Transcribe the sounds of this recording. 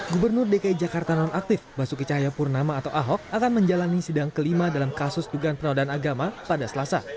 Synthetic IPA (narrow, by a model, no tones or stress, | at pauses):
ɡubərnʊrdekaid͡ʒakart̪anɔnʔak̚t̪ɪfbasukit͡ʃaɦajapʊrnamaːt̪awʔaɦɔk̚akanməɲd͡ʒalanisidaŋkəlimadalamkasʊsduɡaanpənawdaanaɡamapadasəlasa̰